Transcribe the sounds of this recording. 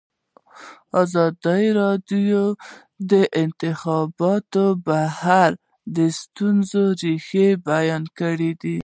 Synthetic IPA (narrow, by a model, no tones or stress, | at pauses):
ɑzɑd̪əjɾɑdjo | d̪əʔɪnt̪ɪxɑbɑt̪obahaɾ | d̪əst̪unzoɾixebajɑnkəɽid̪i